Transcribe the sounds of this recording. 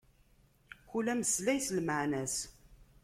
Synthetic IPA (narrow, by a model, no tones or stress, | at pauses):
çulæməslæjsəlməʕnæs